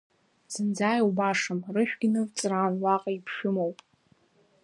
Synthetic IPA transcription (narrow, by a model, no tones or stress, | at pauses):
sɨnd͡zaːjwbaʂɨmrɨħᶣɡʲinɨvt͡sʼraːnlaqʼaipʰʃᶣʊmowpʼ